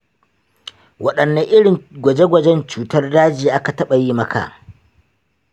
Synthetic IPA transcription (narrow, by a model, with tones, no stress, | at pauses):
wɐ˦ɗɐ˨nːa˦ʔɪ˦ɽɪ˨nɡʷɐ˨d͡ʒe˦ɡʷɐ˨d͡ʒɛ˦nt͡ʃuː˨tɐ˦rdaː˦d͡ʒiː˨ʔa˦ka˨tɐ˦ɓa˨jiː˦mɐ˦kʰa̰˨